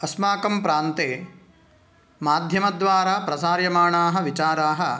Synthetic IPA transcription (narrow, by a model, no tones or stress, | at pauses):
ɐsmaːkɐmpɾaːnt̪eː | maːd̪ʱjɐmɐd̪ʋaːɾaːpɾɐsaːɾjɐmaːɳaːɦɐ̆ʋit͡ʃaːɾaːɦɐ